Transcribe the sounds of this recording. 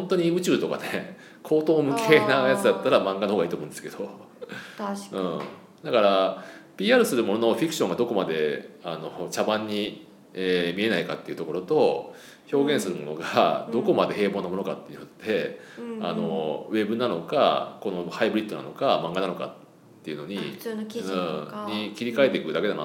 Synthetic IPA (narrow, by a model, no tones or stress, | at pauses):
hõnt̪o̞ɲ̟iɯ̟t͡ɕɨːt̪o̞ka̰ne | kʰo̞ːt̪o̞ːmɯ̟kʰeːnajat͡sɨd̪at̪ːaɾamãŋɡanohoɡaiːt̪omõ̟nd̪sɨ̥ke̞d̪o̞ | ɯ̃ːɴ | d̪akaɾapʲiːaːɾɯ̟sɨɾɯ̟mo̞nonoɸʲikɯ̥ɕoŋɡad̪o̞ko̞mad̪e̞ano̞t͡ɕabãɲ̟ːi | eːmʲie̞naikat̪ːeiɯ̟t̪o̞ko̞ɾo̞t̪o̞ | ço̞ːɡẽ̞ɰ̃sɨɾɯ̟mo̞no̞ɡad̪o̞ko̞mad̪e̞ɦe̞ːbo̞ːnamo̞nokat̪ːei̟iot̪t̪e̞a̰no̞βe̞bɯ̟nano̞ka̰ko̞no̞haibɯɾʲit̪ːo̞na̰no̞kamãŋɡananoka̰t̪ː | e̞iɯ̟no̞ɲ̟ĩ | ɲikʲiɾʲikaet̪ekɯ̟d̪ake̞d̪ana̰